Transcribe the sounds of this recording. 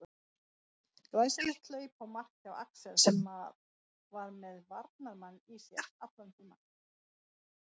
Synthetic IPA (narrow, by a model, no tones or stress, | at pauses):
ɾajsɛmɛht̪leːɥpawmar̥cawa̰ksɛɾ̥sɛmːa | vaɾmɛðvaɾt̪naɾmanːisjɛɾ̥aplœnt̪ʏɾma̰n